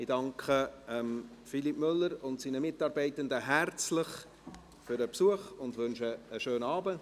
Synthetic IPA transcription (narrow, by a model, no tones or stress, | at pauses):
ɪdɑŋkʰχəɛmfilipmʏlːəɾʊntsiːnəmɪtɑːɾbɛɪtəndəɦært͡slɪχ | fʏɾəpsuəχʊndvʏnʃəːʃøːnɑːbə